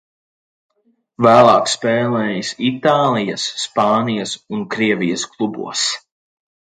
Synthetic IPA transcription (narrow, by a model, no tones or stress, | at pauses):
væːlˠɑːkspɛːlˠɛːjisit̪aːlˠijɐsːpɑːnijɐsunkɾiɛvijɐsklˠubṵɔs